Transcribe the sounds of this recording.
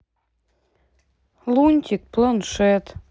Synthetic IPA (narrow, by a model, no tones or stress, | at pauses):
lunʲt̪ʲik̚plɤnʃet̪